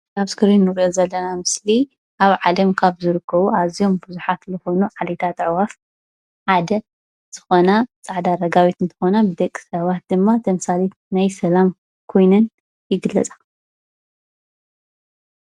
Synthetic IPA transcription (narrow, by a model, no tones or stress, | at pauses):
aβskʰɨɾinːɨɾʔozɐlːɐnamɨsli | ʔaβʕalɐmkʰaβzɨɾɨkʰːɐβuazijo̞mbɨzuħat̪zɨxo̞nuʕalet̪ʰat̪ʼɨʕwaf | ħad̪ɐ | z̥ɨ̥xo̞nat͡sʼaʕd̪aɾɐɡaβit̪ɨnt̪ʰɐ̥xo̞nabɨd̪ɐkʼːi̥sɐβat̪̚d̪ɨmːat̪ʰɐmsalit̪najsɐlam | kʰo̞jnɨn | jɪɡɨlːɐt͡sʼḁ